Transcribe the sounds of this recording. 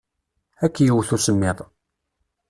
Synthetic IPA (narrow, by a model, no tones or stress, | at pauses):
ækːjəwθusəmːɪðˤ